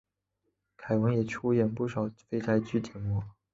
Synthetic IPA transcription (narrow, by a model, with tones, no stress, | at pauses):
kʰa˨˩ɪwə˧˥ŋjɛ˨˩ʈ͡ʂʰu˥jɛ˨˩npu˥˩ʂɑ˨˩ʊfe˥˧ɪʈ͡ʂʰa˧˥ɪt͡ɕy˥˩t͡ɕjɛ˨˩nmɔ˧˥